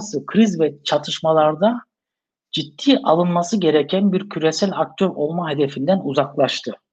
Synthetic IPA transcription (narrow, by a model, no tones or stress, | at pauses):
sɯkʰɾizvɛt͡ʃʰat̪ʰɯʃmalˠaɾd̪a | d͡ʒit̪ːiːʔalˠɯnmasɯɟe̞ɾecʰænbiɾcʰyɾe̞sælʲak̚t̪ʰø̞ɾo̞lˠmaɦe̞d̪efind̪ænuzaklˠaʃt̪ʰɯ